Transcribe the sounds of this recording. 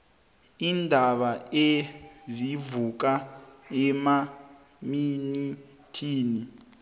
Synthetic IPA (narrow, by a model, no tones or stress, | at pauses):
indʱaɓaezivuk̬aɛma | mini | tʰiːni